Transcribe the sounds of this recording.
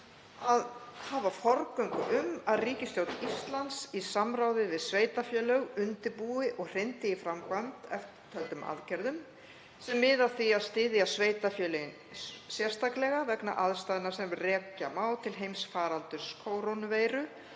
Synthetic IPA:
aðhaːvafɔɾkœŋkʏʔʏmaðriːcɪst̪jowt̪ist̪lant̪sisamɾaːwðɪvɪðsveːjt̪afjœːlœɣʏnt̪ɪpuːɪʔɔɣr̥ɪnt̪ɪifɾamkvant̪ɛft̪ɪt̪ʰœlt̪ʏma̰ðcɛɾðʏm | sɛmːɪðaðθiaðst̪ɪːðɪasveːjt̪afjœːlœjɪn | sjɛr̥st̪ʰaklɛɣavɛkna̰ʔaðst̪aːðɪnḁsɛmrɛːcamaːwt̪ʰɪlɦejmsfaːɾalt̪ʏɾ̥skʰowɾownveːjɾʏ

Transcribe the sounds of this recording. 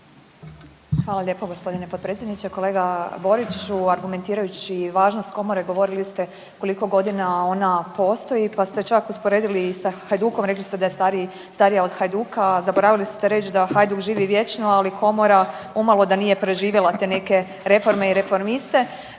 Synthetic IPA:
xʋaːlaʎʲe̞ːpoɡospo̞d̪inepo̞d̪̚pɾetsʲjed̪nit͡ɕeko̞le̞ːɡabo̞ɾit͡ʃuaɾɡument̪iːɾajut͡ɕiʋaːʒnost̪ko̞mo̞ɾeɡo̞ʋo̞ɾilist̪e̞ | ko̞liko̞ɡo̞d̪inao̞napo̞ːst̪o̞jipast̪e̞t͡ʃakuspoɾe̞ːd̪ilisaxajd̪uːko̞mɾe̞klist̪e̞d̪ajest̪aɾi | st̪aɾijao̞d̪xajd̪uːkazaboɾaʋilist̪eɾe̞t͡ʃd̪axajd̪ukʒiːʋiʋje̞t͡ʃnualikʰo̞moɾaumalˠo̞d̪anije̞pɾe̞ʒiːʋjelˠat̪e̞ne̞ke̞ | ɾe̞fo̞ɾme̞iɾefo̞ɾmist̪e̞

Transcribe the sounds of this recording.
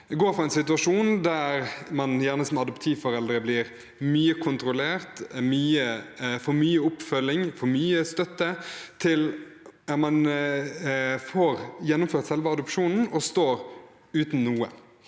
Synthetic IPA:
ɡoːɾfɾʁɑɛnsɪt̪ʉɑʂuːnd̪æːɾmɑnjæːʁnəsɔmɑd̪ɔpt̪ʰiːʋfɔɾɛld̪ɾəblɪɾ | myːəkʰʊnt̪ɾʊleːɾt̪myːəfɔɾmyːəʊpfœlːɪŋfɔɾmyːəst̪œt̪ːət̪ʰɪl | mɑn | foːɾjɛnːʊmføːɾt̪sɛlʋəɑd̪ʊpʃuːnn̩ɔst̪oːɾ | ʉːt̪n̩nuːə̰

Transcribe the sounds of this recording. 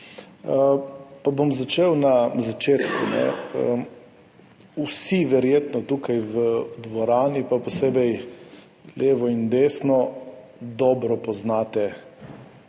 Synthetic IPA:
əpabomzat͡ʃewnazat͡ʃeːt̪kunɛ̰ə | usiʋɛɾjeːt̪nɔt̪ukajʋəd̪ʋɔɾaːnipapɔseːbɛj | lʔeːʋɔind̪eːsnɔ | d̪ɔːbɾɔpɔznaːt̪ɛ

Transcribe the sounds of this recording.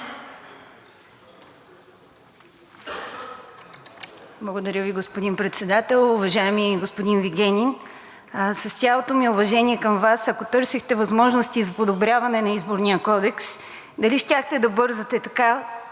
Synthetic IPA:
blˠɐɡod̪ɐɾʲəviɡospod̪inpɾɛt̪sɛd̪at̪ɛlˠʊvɐʒaɛmiɡospod̪inviɡʲɛnʲin | sɐst̪ʲalˠot̪omiʊvɐʒɛniɛkɐmvasɐkot̪ɤɾsixt̪ɛvɐzmɔʒnost̪izɐpod̪obɾʲavɐnɛnɐizboɾnijəkɔd̪ɛks | d̪ɐliʃt̪ʲaxt̪ɛd̪ɐbɤɾzɐt̪ɛt̪ɐka

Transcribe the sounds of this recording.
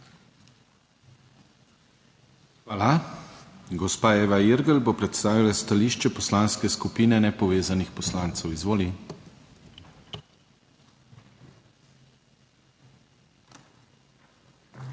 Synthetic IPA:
xʋaːla | ɡɔspaːeːʋaiɾɡəlbopɾɛt̪st̪aːʋilast̪aliːʃt͡ʃɛpɔslanskɛskupiːnɛnɛpɔʋeːzanixpɔslaːnt̪sɛwizʋoːli

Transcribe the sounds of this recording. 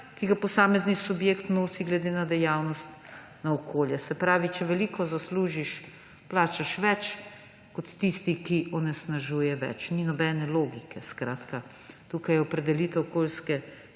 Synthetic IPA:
kiɡapɔsaːmɛznisubjeːkt̪noːsiɡlɛd̪eːnad̪ɛjawnɔst̪ | naɔkʰoːljɛsɛpɾaːʋit͡ʃɛʋɛliːkɔzasluːʒiʃ | plaːt͡ʃaʃʋɛt͡ʃ | kɔt̪ːist̪ikiʔɔnɛsnaʒuːjɛʋɛ̰t͡ʃninɔbɛnɛloːɡikɛskɾaːt̪ka | t̪uːkajɛɔpɾɛd̪ɛlit̪ɛwɔkoːlskɛ

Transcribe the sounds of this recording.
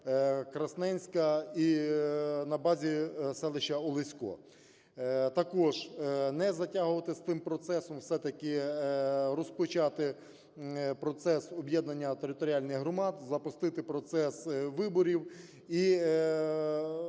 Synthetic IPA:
kɾɐsnɛnʲsʲkɐi | nɐbɑzʲisɛlˠɪʃɐɔlˠɪsʲkɔ̰ | t̪ɐkɔʒnɛzɐtʲaɦʊʋɐt̪ɪst̪ɪmpɾɔt̪sɛsɔmwsɛt̪ɐkɪ | rɔspʊt͡ʃɑt̪ɪ | pɾɔt̪sɛsɔbjɛd̪nɐnʲːɐt̪eɾɪt̪ɔɾʲialʲnɪxɦɾɔmɑd̪zɐpʊst̪ɪt̪ɪpɾɔt̪sɛsʋɪbɔɾʲiw | i

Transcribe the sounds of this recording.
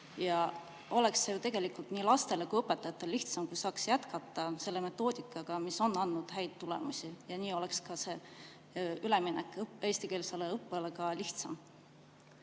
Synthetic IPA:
jɑ | o̞le̞ksːejut̪e̞ɡ̥e̞likːˑult̪niːlɑst̪e̞le̞kujɤpːˑet̪ːˑɑjɑt̪ːˑɑliht̪sɑmkujsɑːksjæt̪kɑt̪ːˑɑse̞lːeme̞t̪ːˑo̞ːd̪̥ʲikːˑɑɡ̥ɑmiso̞nːɑnːud̪̥hæjd̪̥t̪ːule̞̰musʲijɑniːo̞lekskɑse̞ | yle̞minɛkːˑpeːst̪ikelsɑleɤpːˑelekɑliht̪sɑm

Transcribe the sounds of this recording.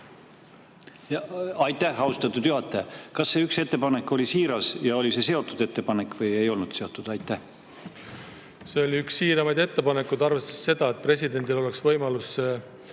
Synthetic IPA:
jɑɑjt̪ːˑæhɑust̪ɑt̪ːˑud̪̥juɦɑt̪ːˑekɑsːe̞ykse̞t̪ːe̞pɑne̞kːˑo̞lʲisiːɾɑsjɑo̞lise̞se̞o̞t̪ːˑud̪̥e̞t̪ːe̞pɑnekːˑvɤje̞jo̞lnud̪se̞o̞t̪ːˑud̪̥ɑjt̪ːˑæh | se̞oliyksːiːɾɑmɑjd̪e̞t̪ːe̞pɑnekːˑud̪ɑɾvest̪e̥sːe̞d̪̥ɑet̪̚pre̞sʲid̪e̞nʲd̪̥ilo̞leksvɤjmɑlusːe

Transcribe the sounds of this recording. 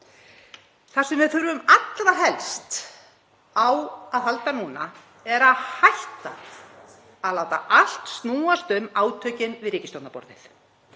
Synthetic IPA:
θasɛmvɪðfʏɾvʏmat̪laɦɛlst̪ | awaðhalt̪anuːna̰ | ɛɾaðhajht̪a | aðlaːwt̪a̰ʔal̥t̪st̪nuːast̪ʏmaːwt̪ʰœːcɪnvɪðɾɪːcɪst̪ɔwnapɔ̰ɾðɪ̰l̥

